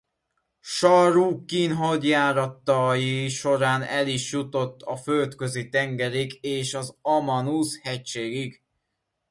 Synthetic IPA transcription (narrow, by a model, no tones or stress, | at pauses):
ʃɒɾuːkːinɦod̪jaːɾɒt̪ːɒjiʃo̞ɾaːnɛliʃjut̪o̞t̪ːɒfølt̪køzit̪ɛŋɡɛɾiɡeːʃɒzɒmɒnushɛct͡ʃeːɡiɡ